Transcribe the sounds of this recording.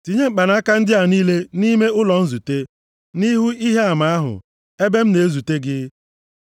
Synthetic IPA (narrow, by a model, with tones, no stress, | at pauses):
ti˨ɲe˦ŋ͡m̩˨k͡pa˨na˦a˦ka˦n̩˦dɪ˦a˨niː˦le˦ni˦me˦ʊ˦lɔ˨n̩˦zu˨te˦ | ni˦ɦu˦i˦ɦe˦a˨ma˨a˦ɦʊ̰˨ | e˦be˦m̩˦ne˨e˦zu˨te˦ɡɪ˦